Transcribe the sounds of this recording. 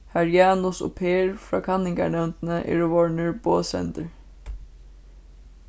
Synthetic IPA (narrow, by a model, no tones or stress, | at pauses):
hæɹjɑːnʊsɔ̰pʰeːɹfɹɑ̰ːkʰɑnɪŋka̰ɳɛwnt̪nəʔɛ̰ɹoʋɔɹɳəɹboːsɛ̰nt̪əɹ